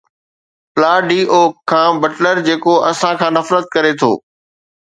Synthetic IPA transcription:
plaːɖiːʔoːãːbɐʈləɾd͡ʑeːkoɐsãkʰãːnɐfɾət̪̚kɐɾet̪ʰo̰ː

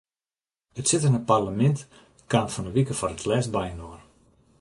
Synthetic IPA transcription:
ətsɪtənəparləmɛnt | kanfɔnəʋikəfɔɾətʰlɛsbajnoər

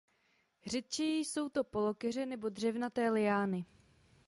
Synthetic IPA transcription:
rɛt̪̚t͡ʃɛjiːso̞wt̪o̞po̞lo̞kɛr̝ɛnɛbo̞dr̝ɛvnat̪ɛːlɪjaːnɪ

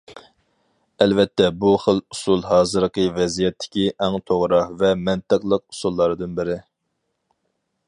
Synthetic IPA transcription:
ɛlvɛt̪ʰːɛbuχəlˠusulˠɦɑːzɨɾqəvɛzijɛt̪ʰːɪ̥kʲiʔɛŋt̪ʰoʁɾɑhvɛmɛnt̪ɨqlˠəq̚usulˠːɑɾd̪ɨnbɪɾɪ

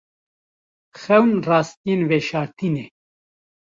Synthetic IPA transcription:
xɛwnraːst̪enveʃaːɾt̪ʰine

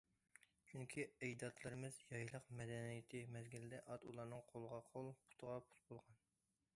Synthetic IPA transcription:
t͡ʃʰyŋkʲʰiɛjd̪ɑt̪ʰlˠɨɾɪmɪzjɑjlˠəqmɛd̪ɛnijɪt̪ʰɪmɛzɡʲilɪd̪ɛʔɑt̪ulˠɑɾnɨŋqʰolˠəʁɑqʰolˠpʰu̥t̪ʰəʁɑpʰu̥t̪̚bolˠʁɑn

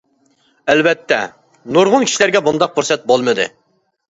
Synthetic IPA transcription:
ɛlbɛt̪ʰːɛ̰ | nuɾʁʊnkʰʲi̥ʃilæɾɡʲɛbund̪ɑq̚buɾsɛt̪̚bolˠmɨd̪ɨ̰

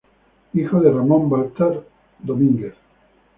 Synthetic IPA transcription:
ixoðeramõmbalt̪aɾ | d̪omĩŋɡeθ

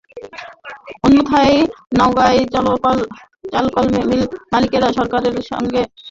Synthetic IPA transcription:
onmot̪ʰajnɔwɡaj | t͡ɕalkɔlmemilmalikeɾaʃɔɾkaɾeɾʃɔ̰ŋɡe

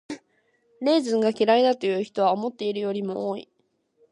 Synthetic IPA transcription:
ne̞ːzɨ̃ŋɡakʲiɾaid̪at̪o̞jɯ̟ːçi̥t̪o̞βaomo̞t̪ːe̞iɾɯ̟jo̞ɾʲimo̞oːḭ

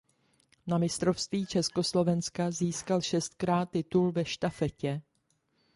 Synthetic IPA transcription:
namɪst̪ɾo̞fst̪viːt͡ʃɛsko̞slo̞vɛnskaziːskalʃɛst̪̚kɾaːt̪ːɪt̪ulvɛʃt̪afɛcɛ

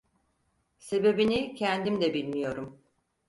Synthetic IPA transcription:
se̞be̞binicʰænd̪imd̪ɛbilʲmijo̞ɾum

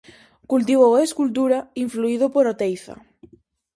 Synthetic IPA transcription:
kult̪̬iβoweskult̪uɾaiɱfluiðʊpoɾot̪ejθa̰

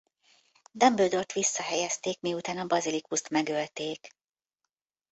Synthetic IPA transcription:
d̪ɒmbøld̪o̞rt̪ʋisːɒɦɛjɛst̪eːkmiut̪aːnɒbɾɒzilikust̪mɛɡølt̪eːk

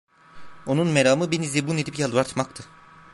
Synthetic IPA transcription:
onunmeɾaːmɯbinizd̪ibuned̪ipjalˠd̪uvaɾt̪ʰmakt̪ʰɯ

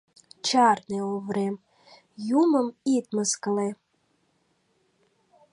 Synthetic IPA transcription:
t͡ʃʰarneovrem | jumɨmit̪ʼmɨzkʼəle

